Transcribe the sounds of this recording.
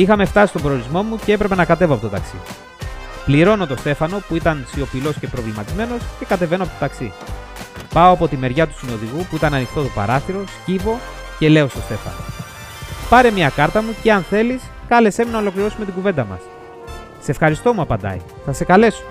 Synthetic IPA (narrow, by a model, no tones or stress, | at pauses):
ixɐme̞ft̪ɐsist̪obɾooɾizmo̞muce̞epɾe̞pe̞nɐkɐt̪e̞voɐpot̪ot̪ɐ̰ksḭ | pliɾo̞no̞t̪o̞st̪e̞fɐno̞puit̪ɐnsio̞pilo̞sce̞pɾo̞vlimɐt̪izme̞no̞sce̞kɐt̪e̞ve̞noɐpot̪ot̪ɐksi | pɐoɐpot̪ime̞ɾʝɐt̪u̥sino̞ðiɣupuit̪ɐnɐnixt̪o̞t̪o̞pɐ̰ɾɐθiɾo̞scivo̞ | ce̞le̞o̞st̪o̞st̪e̞fɐ̰no̰ | pɐɾe̞mɲɐkɐɾt̪ɐmuceɐnθe̞lis | kɐle̞se̞minɐolo̞kliɾo̞sumet̪iɡuve̞nd̪ɐmɐ̰s | se̞fxɐɾist̪o̞muɐpɐnd̪ɐ̰ḭ | θɐse̞kɐle̞so̥